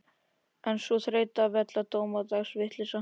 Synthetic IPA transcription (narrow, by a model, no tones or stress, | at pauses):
ɛnsuθɾeːjt̪avɛt̪lat̪oːwmat̪aɣsvɪht̪lɪsa